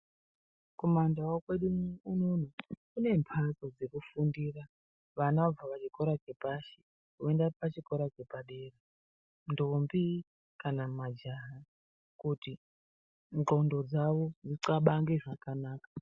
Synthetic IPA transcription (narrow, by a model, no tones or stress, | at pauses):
komandawokwe̞ɗuunonokune̞mpʰaso̞d͡ze̞kufundiːra | ʋanab͡vaʋat͡ʃiko̞ɾat͡ʃe̞paʃe̥ | kuendapat͡ʃiko̞ɾat͡ʃe̞paɗeːre | ndombi | kanamad͡ʒaɦa | kuti | nt͡ɬo̞ndo̞d͡zaʋo̞niǀaɓaŋɡe̞ʐakanaːkḁ